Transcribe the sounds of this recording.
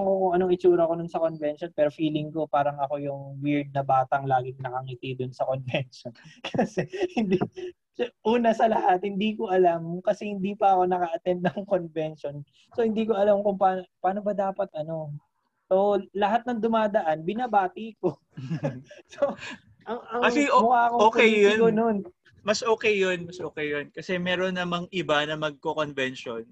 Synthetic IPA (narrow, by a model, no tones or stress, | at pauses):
ŋkokʊŋɐnoŋɪt͡ʃuːɾɐko̞nʊnsɐko̞nvɛnʃo̞npɛːɾo̞fiːlɪŋko̞paːɾɐŋɐko̞jʊŋwɪɹd̪̚nɐbaːt̪ɐŋlaːɡɪŋnɐkɐŋit̪ɪd̪ʊnsɐko̞nvɛnʃonkɐsɛhɪnd̪i | ʔuːnɐsɐlɐhat̪̚hɪnd̪iko̞ʔɐlamkɐsɛhɪnd̪iːpɐʔɐko̞nɐkaʔɐt̪ɛnd̪̚nɐŋko̞nvɛnʃo̞n | so̞hɪnd̪iːkoʔɐlamkʊŋpaːnopaːno̞bɐd̪aːpɐt̪̚ʔɐno̞ | so̞lɐɦat̪̚nɐŋd̪ʊmaːd̪ɐʔanbɪnabaːt̪iko̞ | so | ʔɐŋɐŋkɐsɛmʊkaːkooːkejiknon | mɐsʔoːkɛjːonmɐsʔoːkɛjːonkɐsɛmɛːɾo̞nːɐmɐŋʔɪbanɐmɐɡ̚kokonvɛnʃon